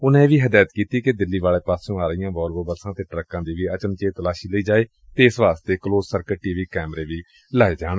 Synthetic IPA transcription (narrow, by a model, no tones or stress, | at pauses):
ʊnẽːʋiːɦəd̪aːjt̪kiːt̪iːked̪ɪlːiːʋaːleːpaːsõːaːɾəijãːʋɔːlbəbəɾsãːt̪eːʈɾəkːãːd̪iːʋiːət͡ʃənt͡ʃeːt̪əlaːʃiːləiːd͡ʒaːeː | t̪eːɪsʋaːst̪eːkloːzsəɾkəʈiːʋiːkɛːmɾeːʋiː | laːeːd͡ʒaːɳ